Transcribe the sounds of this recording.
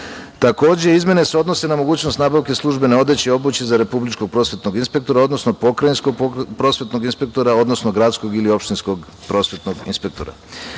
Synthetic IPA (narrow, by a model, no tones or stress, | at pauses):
t̪ako̞ːd͡ʑe̞izmje̞ne̞seo̞d̪no̞se̞namo̞ɡuːt͡ɕnost̪naːbaʋke̞slˠuʒbe̞neo̞d̪et͡ɕeo̞but͡ɕezaɾe̞publit͡ʃkoɡ̚pɾo̞ːsʋe̞t̪noɡinspe̞k̚t̪o̞ɾao̞d̪no̞snopo̞kɾajinskopɾo̞sʋe̞t̪no̞ɡinspe̞kt̪o̞ɾao̞d̪no̞snoɡɾat̪sko̞ɡilio̞pʃt̪insko̞ɡ | pɾo̞ːsʋe̞t̪noɡḭnspe̞k̚t̪o̞ɾa̰